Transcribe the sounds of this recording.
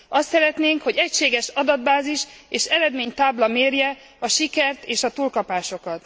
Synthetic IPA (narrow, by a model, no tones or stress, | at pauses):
ɒst̪sɛɾɛt̪neːŋkho̞ɟɛcʃeːɡɛʃɒd̪ɒd̪baːziʃeːʃɛlɛd̪meːɲt̪aːblɒmeːrjɛ | ɒʃikɛrt̪eːʃɒt̪uːlkɒpaːʃo̞kɒt̪